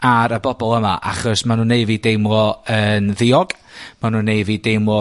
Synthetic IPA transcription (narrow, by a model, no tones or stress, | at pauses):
aɾəbɔbɔlˠəma̰ʔa̰χɔsmanuːnːeɨviːdejmwɔənðɪɔɡ | manuːnːeɨviːdejmwɔ